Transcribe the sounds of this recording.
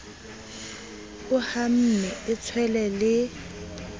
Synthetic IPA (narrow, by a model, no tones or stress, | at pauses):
ʊham̩nɛɪt͡sʰwɛlɛlɪ